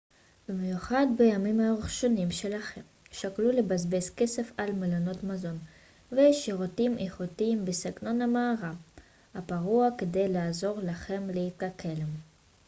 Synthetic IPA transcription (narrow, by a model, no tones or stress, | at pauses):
bimjuχad̪bejamimaʁiχʃo̞nimʃelaχemʃaklulebazbeskese̞falmelono̞t̪mazo̞n | veʃiʁotimʔeχutiimbesiɡno̞namaːʁa | apaʁuaked̪e̞jlaːzo̞ʁlaχe̞mleit̪ʁakʰelem